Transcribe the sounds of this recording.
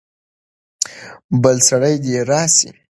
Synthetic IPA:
bəlsaɽəjd̪eɾɑsḭ

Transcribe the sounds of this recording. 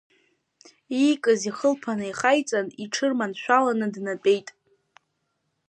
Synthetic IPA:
ikʼɨziχəlpʰanɨiχajt͡sʼaniʈ͡ʂʰɨrmanʃᶣʷalanɨdnat͡pʼe̞jtʼ

